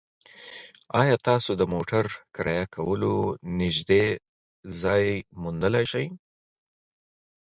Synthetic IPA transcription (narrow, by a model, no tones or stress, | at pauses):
ɑjɑt̪ɑsod̪əmoʈaɾkɾɑ̰jakʰawəlonɪʒd̪e | zɑjmund̪əlajʃaj